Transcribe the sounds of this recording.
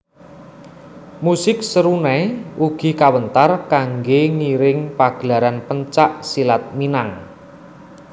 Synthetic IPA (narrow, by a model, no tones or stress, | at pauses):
musɪk̚səɾunɛuɡ̥i̤kawənt̪arkaŋɡeŋiɾɪŋpaɡ̥əlaɾanpəɲt͡ʃaʔsilat̪̚minaŋ